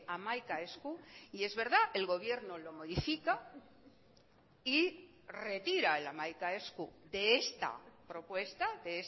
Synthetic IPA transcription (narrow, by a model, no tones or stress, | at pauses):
amajkaeskuie̞zβe̞ɾðaʔe̞lɣ̞o̞β̞je̞ɾnolo̞mo̞ðifika | i | re̞t̪iɾaelamajkaeskud̪e̞est̪a̰pɾo̞pwe̞st̪aðees